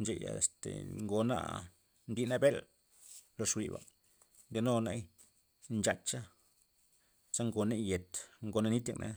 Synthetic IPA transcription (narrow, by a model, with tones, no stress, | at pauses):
nd͡ʒe˧˨ja̰˨e˨st̪ḛ˨ŋɡo˧na̰˦ | nd̪i˧na˦be˦l | lo˧ʂwḭ˨ba̰˨ | nd̪e˧no˦na˦j | nt͡ʃa˧t͡ʃt͡ʃa˦ | sa˦ŋɡo˧ne˦je˨t̪ŋɡo˧na˧ni˦t̪ja˧knʔḛ˧